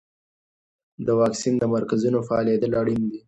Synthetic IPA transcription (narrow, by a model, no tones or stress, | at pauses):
d̪əwɑksind̪əmaɾkazunofaɑled̪əlaɽind̪i